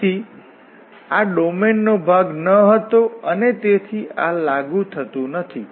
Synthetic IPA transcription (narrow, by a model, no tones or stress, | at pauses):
i | aɖomenːobʱaɡnəɦət̪oənet̪et̪ʰialaɡũt̪ʰət̪ũnət̪ʰi